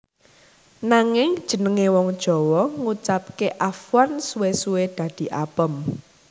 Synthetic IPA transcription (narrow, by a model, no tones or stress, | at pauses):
naŋɪŋd̥ʒ̥ə̤nəŋewɔŋd̥ʒ̥ɔ̤wɔŋut͡ʃap̚keʔafwansuwesued̪̥ä̤d̪̥i̤ʔapəm